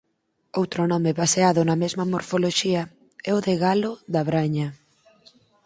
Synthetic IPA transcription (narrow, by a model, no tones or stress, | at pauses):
owt̪ɾʊnɔmɪβaseaðʊnɐmezmɐmoɾfoloʃiɐ | ɛʊðeɣalʊðɐβɾaɲɐ